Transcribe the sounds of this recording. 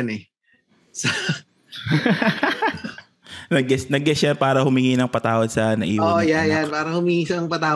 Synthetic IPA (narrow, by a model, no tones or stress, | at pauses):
nɛ | sɐ | nɐɡɛsnɐɡɛsjɐnpaːɾɐhʊmɪŋinɐŋpɐt̪aːwɐd̪sɐnɐʔiːwoɐjanjanpaːɾɐhʊmiŋiːsɐɐŋpɐt̪aː